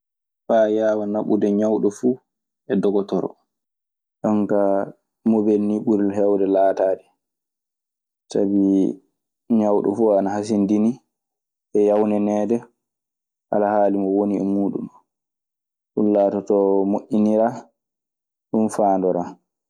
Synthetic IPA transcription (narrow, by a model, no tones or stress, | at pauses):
fajaːwanaɓudɛɲawɗɔfuː | ʔɛdɔɡɔtɔɾɔ̰ | ɗɔŋka | mobelniɓuɾilɦɛwdɛlaːtadɛ | sabi | ɲawɗɔ̰fuanaɦas̬indini | ʔɛjawnɛnɛːdɛ | ʔa̰lahaːlimɔwoniɛmuːɗṵm | ɗunlaːtɔtɔmoʔːiniɾa | ɗunfaːndɔɾa